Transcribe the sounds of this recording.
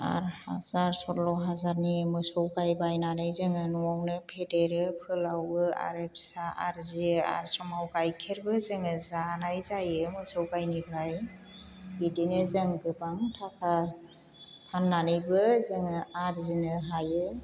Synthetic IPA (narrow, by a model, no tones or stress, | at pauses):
a̰ɾha̰zaɾsɔlɔɦazaɾnimɯsɔwɡajbajnanajzɯŋɯnɔawnɯpʰedeɾɯpʰɯlawɯa̰ɾep̚saaɾzia̰ɾsɔmawɡajkʰeɾbɯzɯŋɯzanajzajɯmɯsɔwɡajnibʱaj | bidinɯzɯŋɡɯbaŋtʰakʰa | pʰanːanɯjbɯzɯŋɯaɾzinɯɦajɯ